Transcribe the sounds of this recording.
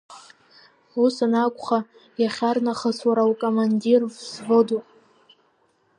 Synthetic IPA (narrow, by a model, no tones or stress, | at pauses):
usanakʷʼχa | jaχʲarnaχəswaɾawkʼomandirvsvodupʼ